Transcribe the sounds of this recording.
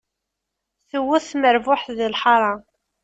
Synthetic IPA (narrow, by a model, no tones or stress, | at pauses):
θəwːʊθməɾvʊħθðilħɑɾˤɑ